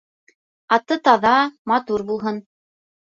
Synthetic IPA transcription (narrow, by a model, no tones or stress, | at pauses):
ɑt̪ːɤt̪ɑðɑmɑt̪uɾbulˠɦɤn